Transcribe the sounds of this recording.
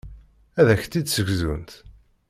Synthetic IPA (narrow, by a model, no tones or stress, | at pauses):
æðæçt̪ːid̪səʝzṵnt̪